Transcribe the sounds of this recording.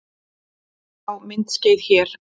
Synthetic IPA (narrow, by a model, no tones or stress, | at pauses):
awmɪnt̪sceːjð̥çɛːɾ̥